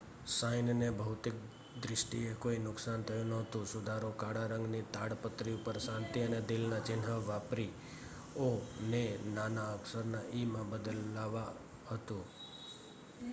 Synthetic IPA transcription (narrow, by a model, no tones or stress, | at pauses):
sajnnebʱəɦut̪ɪk̚ | d̪ɾɪʃʈiekoinʊksant̪ʰəjũnəɦət̪ũsʊd̪ʱaɾokaɽaɾə̃ŋɡnit̪aɽpət̪ɾiupəɾsãnt̪iəned̪ɪlnat͡ʃɪnɦəʋapɾi | onenanaəksəɾnaʔimãbəd̪əlːaʋa | ɦət̪ũ